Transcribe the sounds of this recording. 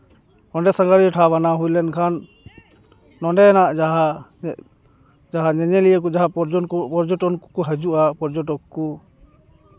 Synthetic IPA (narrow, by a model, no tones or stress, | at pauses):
hɔɳɖɛsãŋɡaɾiɔʈʰaβanaɦujlɛnkʰan | ɔɳɖɛɛnaʔɦa | d͡ʒaɦaɲɛɲɛlijakɔd͡ʒaɦapɔɾd͡ʒɔʈɔnkkɔɦəd͡ʒuʔapɔɾd͡ʒɔʈɔkku